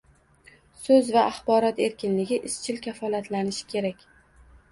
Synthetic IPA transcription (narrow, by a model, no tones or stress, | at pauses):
sɵzvaʔːχbɒɾɒt̪e̞ɾkʲɪnlɪɡʲɪʔɪst͡ʃʰɪlkʲafɒlat̪ʰlanɪʃɪ̥kʲʰe̞ɾakʲ